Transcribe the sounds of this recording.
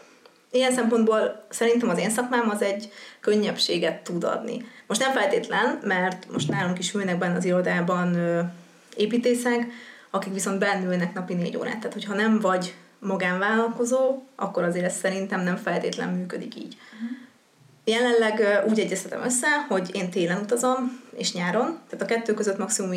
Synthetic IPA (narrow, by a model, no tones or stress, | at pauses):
ijɛnsɛmpo̞nd̪boːlsɛɾint̪ɛmɒzeːnsɒkmaːmɒzɛɟkø̞ɲːɛpʃeːɡɛt̪ːud̪ɒ̰d̪nḭmo̞ʃt̪nɛɱfɛlt̪eːt̪lɛnmɛrt̪moʃt̪naːlo̞mkiʃylnɛɡ̚bɛnːɛɒziɾo̞d̪aːbɒnøː | eːpiːt̪eːsɛŋkɒkikʋiso̞nd̪bɛnːylnɛknɒpinḛːɟo̰ːɾa̰ːt̪ːaːt̪ho̞chɒnɛɱvɒɟ | mɒɡaːɱvaːlɒlko̞zoːʔɒ̰kːoɾɒzeːɾɛst̪sɛɾint̪ɛmnɛɱfɛlt̪eːt̪lɛ̰mːyːkød̪ikḭːɟ̥ | jɛlɛnlɛɡuːɟɛɟːɛst̪ɛt̪ɛ̰mʔø̞sːɛho̞ɟeːnt̪eːlɛnut̪ɒzo̞mḛːʃɲaːɾo̞mt̪aːt̪ɒkɛt̪ːøːkøzøt̪mɒksimum